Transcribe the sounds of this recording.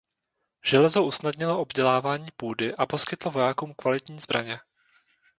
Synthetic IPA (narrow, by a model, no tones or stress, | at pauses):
ʒ̥ɛlɛzoʔusnadɲɪloʔobɟɛlaːvaːɲiːpuːdɪʔapo̞skɪt̪lovo̞jaːkuːmkvalɪt̪ɲiːzbɾa̰ɲɛ